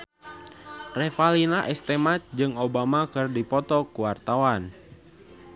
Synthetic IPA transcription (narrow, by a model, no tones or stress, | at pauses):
rɛfalinaʔɛst̪ɛmat̪̚d͡ʒɨŋobamakɨrdipɔt̪ɔkuwart̪awan